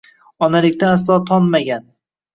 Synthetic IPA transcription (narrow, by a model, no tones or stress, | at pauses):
ɒnalɪkʲt̪anas̬lˠɒt̪ʰɒnmaɡʲan